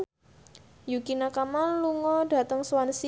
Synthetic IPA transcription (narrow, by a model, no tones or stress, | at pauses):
jukinakamanluŋɔɖ̥a̤t̪əŋswansi